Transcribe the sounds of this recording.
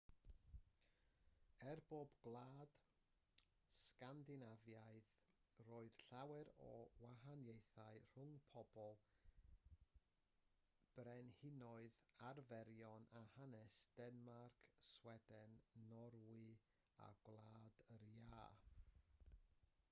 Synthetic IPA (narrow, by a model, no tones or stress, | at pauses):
ɛrboːbɡlˠaːd̥ | skandɪnavjaɨðroːɨð̥ɬawɛɾɔwaɦanjejθaɨr̥ʊŋpʰɔb̥ɔlˠ | b̥rɛnhɪnɔɨðarvɛɾjɔnahanɛsd̥ɛnmarkʰswɛdɛnːɔɾwɨ | a̰ɡlˠaːd̥əɾjaː